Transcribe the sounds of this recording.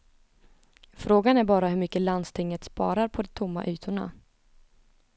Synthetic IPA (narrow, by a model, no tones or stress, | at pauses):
fɾoːɡanæɾbɑːɾaɦɵɾmʏkːəland̪st̪ʰɪŋːət̪spɑ̰ːɾaɾpʰɔd̪ɛt̪ʰʊmːa̰ʔyːt̪ʰʊɳa̰